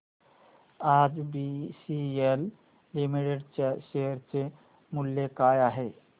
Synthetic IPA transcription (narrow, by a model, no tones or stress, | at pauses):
ad͡zbisielː | imiʈeɖt͡ɕaʃeɦəɾt͡se | muljekajaɦe